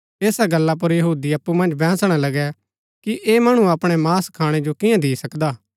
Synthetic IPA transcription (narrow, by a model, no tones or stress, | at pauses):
eːsaɡɐlːap̬ʊɾjɐɦuːd̪iɐpːumɐ̃nd͡ʒbɛ̃ːsɽ̃alɐɡɛ | kiʔʔeːmɐɽ̃ũɐpɽ̃ɛmaːskʰaːɽ̃ed͡ʒokɪjãd̪iːsɐkd̪aː